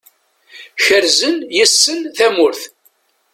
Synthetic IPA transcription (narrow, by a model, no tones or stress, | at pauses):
çəɾzənjəsːənθæmʊɾθ